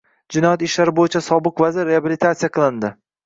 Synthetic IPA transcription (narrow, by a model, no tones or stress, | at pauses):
d͡ʒɪnɒjat̪ɪʃlaɾɪbojɪt͡ʃʰasɒbɨqvazɪɾːeabilit̪ʰat̪sijaqʰɨlˠɪnd̪ɪ